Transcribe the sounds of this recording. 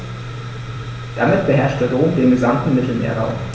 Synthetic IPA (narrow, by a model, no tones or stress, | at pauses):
d̥amɪtb̥əɦɛɐʃtd̥ɛʁoːmdeːnɡəzamtn̩mɪtl̩mḛːɐʁa̰ʊm